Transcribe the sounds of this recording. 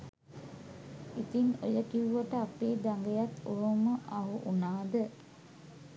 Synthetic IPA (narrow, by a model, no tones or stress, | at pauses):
it̪iŋojəkiuʋəʈəapeːd̪aŋɡejat̪oɦəməʔaɦuʔunaːd̪ə